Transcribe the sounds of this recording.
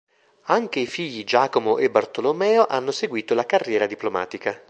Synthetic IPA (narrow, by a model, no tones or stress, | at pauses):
aŋk̟eifiʎːid͡ʒaːkomoʔebart̪olomɛːoʔanːoseɡwiːt̪olakarːjɛːɾad̪iploma̰ːt̪ika